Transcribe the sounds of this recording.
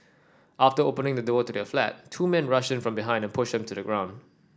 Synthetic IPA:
ʔaftəopənɪ̃ŋdədɔtudɛflæ̰t̚tʰːuːmɛ̃nɹʌʃɛ̃nfɹɔ̃mbiɦãɪ̃ndɛ̃npʰʊʃdɛ̃mtʰudəɡɹãʊ̃nd

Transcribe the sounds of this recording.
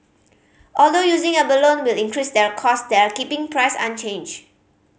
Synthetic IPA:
ʔɔldojuzɪ̃ŋəbəlõnwilĩŋkɹisdɛɹkʰɔsdɛɹkipɪ̃ŋpʰɹaɪsã̰nt͡ʃẽnd͡ʒ

